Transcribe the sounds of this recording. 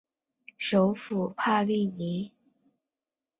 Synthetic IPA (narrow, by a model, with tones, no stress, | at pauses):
ʂo˧˥ʊfu˨˩pʰa˥˧li˥˩ni˧˥